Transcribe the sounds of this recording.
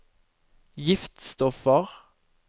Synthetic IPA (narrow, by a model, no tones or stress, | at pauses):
jɪft̪st̪ɔfəʁ